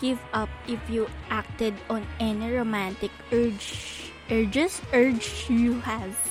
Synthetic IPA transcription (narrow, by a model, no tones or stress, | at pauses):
ɡ̥ɪvʌp̚ʔɪfjuʔak̚t̪ɛd̪ɔ̃nɛniɹomãnt̪ɪkɛɹd͡ʒ | ʔɛɹd͡ʒɛsʔɛɹd͡ʒjuhæv